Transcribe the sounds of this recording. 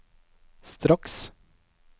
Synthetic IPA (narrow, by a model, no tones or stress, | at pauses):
st̪ɾɑks